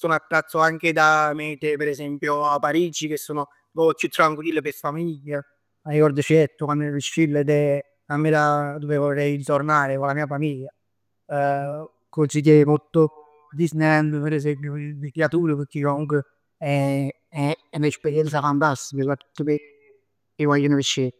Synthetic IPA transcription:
sonat̪ːɾat̪sːoaŋked̪amet̪epeɾezɛmpjoapːaɾiːd͡ʒik̟esːoːno | vɔkːut̪ːɾaŋkuilːepesfamiʎːa | arːikɔɾd̪ot͡ʃiɛt̪ːokwand̪viʃːilːed̪ɛ | amːelad̪ovevorːɛjɾit̪oɾnaːɾekolamiːafamiʎːa | konsit̪̬emot̪ːo | d̪isnɛnd̪əpeɾesɛmpjovik̪jat̪uːɾəpeɾkːekomuŋke | ɛ | ɛɛunespeɾjɛnt̪safant̪ast̪ikəsḁt̪ːəme | iwajunefiʃːe

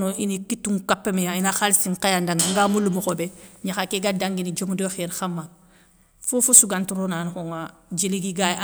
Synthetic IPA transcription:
noinikitːuŋkapːemejainaxalisiŋkajandaŋaŋɡamulumuxobeɲaxakeɡadaŋɡinid͡ʒomudoxeɾxamːa | fufusuɡantuɾonanxoŋa | d͡ʒeliɡiɡaa

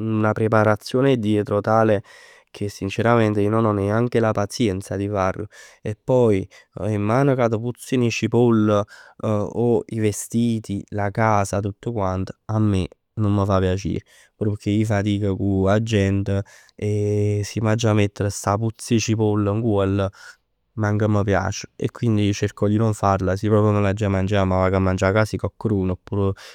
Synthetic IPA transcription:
unapɾepaɾat̪sːjoːned̪jɛt̪ɾot̪aːle | kʰesːint͡ʃeɾament̪einonɔneaŋkelapat̪sjɛnt̪sad̪ifaro̰epːɔj | emːaːnokat̪oput̪sːinit͡ʃipol | oivest̪iːt̪ilakaːsat̪ut̪ːokwant̪o̥amːe | nomːəfapːjat͡ʃḭːɾe | puɾpəkʰːeifat̪iːkəkuad͡ʒːɛnt̪ə | esimad͡ʒamet̪ːeɾəst̪aput̪sːit͡ʃipolːəŋɡuɛlːə | maŋkəməpja̰ːt͡ʃə̥ḛkːwind̪it͡ʃerkɔd̪inoɱfaɾlasipɾɔːpɾjonolad͡ʒamand͡ʒamavakamːand͡ʒakasikɔkːɾuːnpːuːɾ

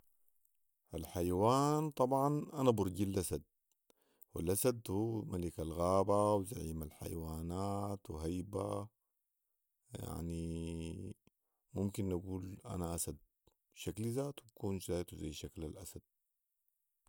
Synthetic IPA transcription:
ʔalħajawaːnt̪ˤɑbʕɑnʔanabʊɾˤɟilʔasad̪̚ | wilʔasad̪huːmalikalɣaːbawzaʕiːmalħa̰jwaːnaːt̪wɦajba | ja̰ʕni | mumkinʔaɡuːlʔa̰naʔasad̪̚ | ʃaklizaːt̪wbkuːnzaːt̪uzajːʃaklalʔasad̪̥̚

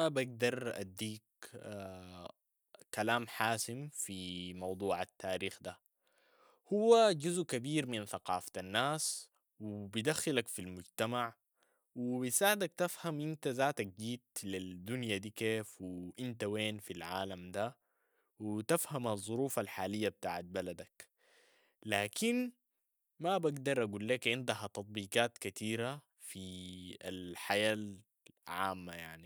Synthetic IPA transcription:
baɡ̚d̪ɑɾˤʔa̰d̪ːiːkː | kalaːmħaːsimfimɑwd̪ˤuːʕat̪ːaːɾiːxd̪a | huwːaɟuzʔkabiːɾminθɑqɑːfḁt̪anːaːs | wibid̪axːalakfilmʊɟt̪amaʕ | wibisaːʕɪd̪akt̪afhamʔint̪azaːt̪ak̚d͡ʒiːt̪lid̪unjad̪iːkeːfwiʔint̪aweːnfilʕaːlamd̪a | wit̪afhamɑzˤːuɾuːfalħaːlijːab̚t̪a̰ːʕat̪̚balad̪ak | laːkʰin | mabaɡd̪ɑɾˤʔaɡuːlːeːkʕɪnd̪ahat̪ɑt̪̚ˤbiːqaːt̪kat̪iːɾa | fia̰lħajaːl | ʕa̰ːmːaja̰ʕni

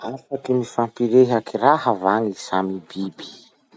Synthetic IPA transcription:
afakimifampiɾeɦakirahavaŋisamibibi̥

